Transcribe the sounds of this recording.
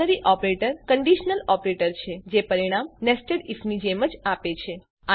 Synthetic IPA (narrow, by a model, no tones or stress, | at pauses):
əɾiʔɔpɾeʈəɾkəɳɖiʃnəlɔpɾeʈəɾt͡ʃʰed͡ʒepəɾiɽ̃amnesʈəɽifnid͡ʒeməd͡ʒapet͡ʃʰe | a